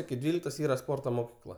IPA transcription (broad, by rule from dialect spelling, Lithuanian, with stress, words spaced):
ɪkʲɪ ˈdʲʋʲiːlʲɪktoːs ˈiːrɐ ˈspoːrtoː moːˈkʲiːklˠɐ